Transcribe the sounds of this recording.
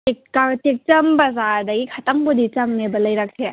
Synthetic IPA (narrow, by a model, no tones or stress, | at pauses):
ekkatek̚t͡ʃɐmbɐzaɾdɐɡikʰɐtaŋpudit͡ʃɐŋnebɐlɐjɾak̚se